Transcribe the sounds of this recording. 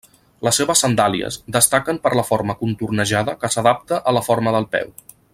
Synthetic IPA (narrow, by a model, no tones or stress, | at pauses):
ləsːeβəsːənd̪aliə̰zd̪əst̪akəmpəɾləfoɾməkunt̪urnəʒaðəkəsəðap̚t̪əʔələfoɾməðəlˠpɛ̰w